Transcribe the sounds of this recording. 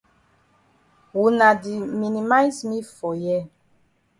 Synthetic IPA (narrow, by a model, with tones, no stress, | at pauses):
wu˨na˨di˨mi˨ni˨ma˦jsmi˦fɔ˨jɛ˦